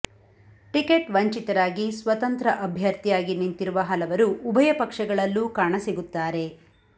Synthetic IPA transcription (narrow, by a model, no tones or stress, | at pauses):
ʈikeʈʋɐɲt͡ʃit̪ɐɾaːɡisʋɐt̪ɐnt̪ɾɐʔɐbʱjɐɾt̪ijaːɡinint̪iɾuʋɐɦɐlɐʋɐɾuːbʱɐjɐpɐkʂɐɡɐɭɐlːukaːɳɐsiɡut̪ːaːɾe̞